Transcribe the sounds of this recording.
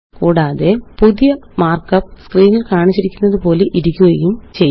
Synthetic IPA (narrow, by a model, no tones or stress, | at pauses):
kuːɽaːðe̞puðijɐmaːrkɐpːskriːŋːɐɭkaːɳit͡ɕːiɾikʲːunːɐðɨpo̞ːleʔiɾikʲːuʋɐjumt͡ɕej